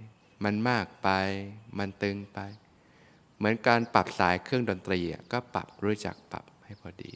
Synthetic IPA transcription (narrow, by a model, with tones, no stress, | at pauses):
ma˧nmaː˥˩k̚pa˧jma˧nt̪ɯ˧ŋpa˧j | mɯ˩˦ənkaː˧npa˨˩p̚saː˩˦jkʰɯ˥˩əŋdo˧nt̪ɾiː˧ʔa̰˨˩kɔː˥˩pa̰˨˩p̚ɾuː˦˥t͡ɕa̰˨˩k̚pa̰˨˩p̚ha˥˩jpʰɔː˧dḭː˧